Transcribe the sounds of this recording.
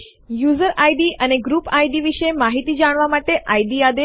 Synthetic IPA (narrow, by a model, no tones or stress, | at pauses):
juzəɾajɖiʔəneɡɾupajɖ̪iʋiʃemaɦit̪id͡ʒaɽ̃ʋamaʈeʔajd̪iad̪e